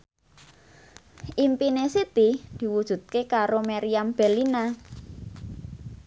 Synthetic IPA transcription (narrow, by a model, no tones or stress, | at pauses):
ʔimpinesit̪id̪̥i̤wud̥ʒ̥ṳt̪̚kekaɾomaɾiamb̥ɛlina